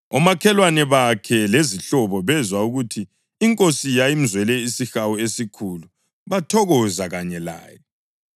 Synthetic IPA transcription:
ɔmakʰɛlwanɛβakʰɛleziɬɔβɔβɛzwauɣutʰiː | ŋkʼosijajim̩zwɛlɛisixawɔesikʰulu | βatʰɔɣɔzaɣaɲɛla̰ːjɔ

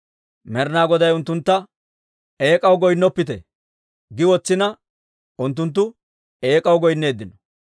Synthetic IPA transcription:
mɛɾnaːɡɔd̪ɐjʊnt̪ːʊnt̪ːɐ | eːkʼɐwɡɔjnːɔpːɪt̪ɛ̰ | ɡɪwɔt͡sːɪnɐ | ʊnt̪̬ːʊnt̪̬ːʊ | eːkʼɐwɡɔjnːe̞ːd̪ːɪnɔ

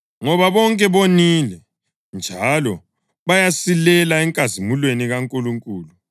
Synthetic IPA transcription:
ŋɔβaβɔŋkʼɛβonilɛ | nd͡ʒʱalɔ | βajasilɛlaɛŋkʼazimulweniɣaŋkʼuluŋkʼuːlu

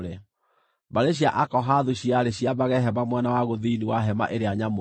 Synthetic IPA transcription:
ɾe | baɾeɕjaʔakɔɦaðuɕiaɾeɕiaβaɣɛɦɛβamwanawaɣoðiniwaɦɛma̰ʔeɾeaɲamo

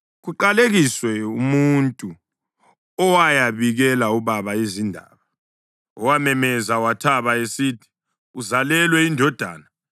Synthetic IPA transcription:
ɣuǃaleɣiswɛumuntʼu | ɔwajaβiɣɛlauβaβaezindʱa̰ːβa | ɔwamɛmɛzawatʰaβaesitʰi̥ | uzalɛlwɛindʱɔd̥ʱa̰ːna

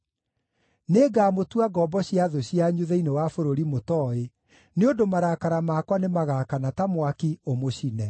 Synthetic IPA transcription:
neːɡaːmotwaɡɔːbɔɕjaðoɕiaɲuðɛinewafoɾoɾimotɔːe | neondomaɾakaɾamaːkwanemaɣakanatamwakiomoɕinɛ

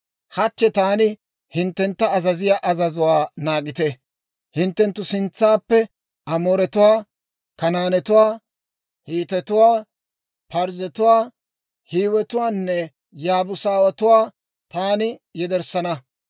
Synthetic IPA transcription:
hɐt͡ʃːɛt̪aːnɪ | hɪnt̪ːɛnt̪ːɐːzɐzɪjaːʔɐzɐzʊwaːnaːɡɪt̪ɛ | hɪnt̪ːɛnt̪ːʊsɪnt͡sːaːpːɛ | ɐmoːɾɛt̪ʊwaː | kɐnaːnɛt̪ʊwaː | hiːt̪ɛt̪ʊwaː | pɐɾzɛt̪ʊwaː | hiːwɛt̪ʊwaːnːɛ | jaːbʊsaːwɐt̪ʊwaː | t̪aːnɪjɛd̪ɛɾsɐnɐ

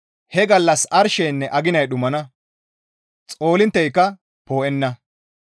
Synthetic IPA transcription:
hɛɡɐlːɐsɐɾʃɛjnːɛʔɐɡɪnɐjɗʊmɐnɐ | t͡sʼo̞ːlɪnt̪ːɛjkːɐ | po̞ːʔɛnːɐ

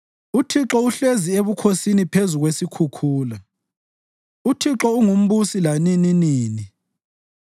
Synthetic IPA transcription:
utʰiǁɔuɬezieβukʰosinipʰezuɣwesikʰukʰuːla | utʰiǁɔuŋum̩βusilanininiːni

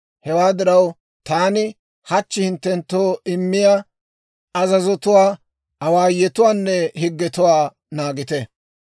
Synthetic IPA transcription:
hɛwaːd̪ɪɾɐw | t̪aːnɪ | hɐt͡ʃːɪhɪnt̪ːɛnt̪ːoːɪmːɪja | ɐzɐzɔt̪ʊwaː | ɐwaːjɛt̪ʊwaːnːɛhɪɡːɛt̪ʊwaː | naːɡɪt̪ɛ

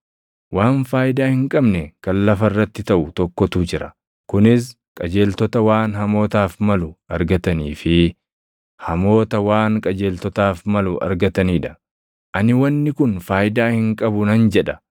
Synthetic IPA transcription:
waːnfaːjɪd̪aːhɪŋkʼɐbnɛkɐnlɐfɐrːɐt̪ːɪt̪ɐʔʊt̪ɔkːɔt̪uːd͡ʒɪɾɐ | kʊnɪs̬ | kʼɐd͡ʒe̞ːlt̪ɔt̪ɐwaːnɦɐmo̞ːt̪aːfmɐlʊɐɾɡɐt̪ɐniːfɪ | hɐmo̞ːt̪ɐwaːŋkʼɐd͡ʒe̞ːlt̪ɔt̪aːfmɐlʊʔɐ̰ɾɡɐt̪ɐniːᶑɐ̥ | ʔɐnɪwɐnːɪkʊnfaːjd̪aːhɪŋkʼɐbʊnɐnd͡ʒɛᶑɐ

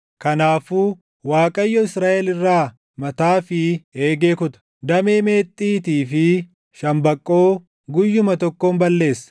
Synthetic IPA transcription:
kɐnaːfuː | waːkʼɐjːɔɪsɾaːʔɛlɪrːaː | mɐt̪aːfɪeːɡe̞ːkʊt̪ɐ̥ | d̪ɐme̞ːme̞ːt̪ʼːiːt̪iːfɪ | ʃɐmbɐkʼːo̞ː | ɡʊjːʊmɐt̪ɔkːoːmbɐlːe̞ːsːɐ̥

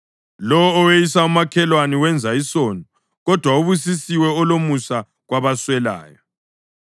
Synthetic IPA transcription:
lɔwɔːwejisaumakʰɛlwaniwɛnd͡zʱaisɔːnɔ | ɣɔd̥ʱwauβus̬isiwɛɔlomusa | ɣwaβaswɛla̰ːjɔ

